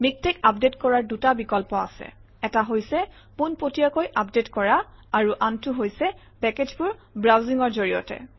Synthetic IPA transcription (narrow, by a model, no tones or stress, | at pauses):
mik̚tekapdetkɔɹaɹdutabikɔlpɔa̰sɛ̰ | ɛtaɦojsɛ | punpotijakojʔapdetkɔɹaaɹuʔantuɦojsɛ | pɛked͡ʒpʊɹbɹawziŋɔɹzoɹijɔ̰tɛ̰